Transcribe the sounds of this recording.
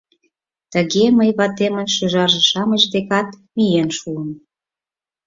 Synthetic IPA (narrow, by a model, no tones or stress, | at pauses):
t̪əɣeməjβɑt̪emənʃyʒɑʒĕʃɑməʃd̪ekɑt̪mijenʃuən